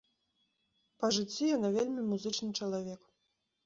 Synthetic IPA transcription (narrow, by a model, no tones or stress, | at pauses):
pɐʐɨt͡sʲːijanavʲelʲmʲimuzɨt͡ʂnɨt͡ʂɐlˠavʲɛk